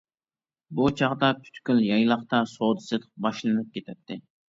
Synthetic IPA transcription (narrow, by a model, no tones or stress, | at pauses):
but͡ʃʰɑʁd̪ɑkʲʰy̥t̪kʲyljɑjlˠɑχt̪ɑsoːd̪ɨsɨd̪ɨq̚bɑʃlˠɨnɨp̚kʲet̪ʰɛt̪ʰːɪ